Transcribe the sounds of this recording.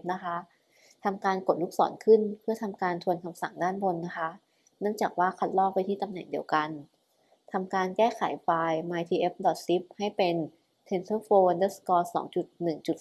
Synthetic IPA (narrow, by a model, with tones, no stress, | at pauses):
p̚na˦˥kʰa˦˥ʔ | t̪ʰa˧mkaː˧nko˨˩t̪̚lu˦˥k̚sɔ̰ː˩˦nkʰɯ˥˩npʰɯ˥˩ɐt̪ʰa˧mkaː˧nt̪ʰu˧ənkʰa˧msa̰˨˩˦ŋdaː˥˩nbo˧nːa˦˥kʰa˦˥ʔ | nɯ˥˩əŋt͡ɕaː˨˩k̚waː˥˩kʰa˦˥t̪̚lɔː˥˩pa˧jt̪ʰiː˥˩t̪a˧mnɛ˨˩ŋdi˧əwka˧n | t̪ʰa˧mkaː˧nkɛː˥˩kʰa̰˨˩˦jfaː˧jmaː˧jt̪ʰiː˧ʔe˦˥p̚dɔ˨˩t̪̚si˦˥p̚ha˥˩jpe˧n | t̪ʰe˧nsɤː˥˩foː˧ndɤː˦˥˩skɔː˧˥sɔ̰ː˩˦ŋt͡ɕu˨˩t̪̚nɯ˨˩ŋt͡ɕu˨˩t̪̚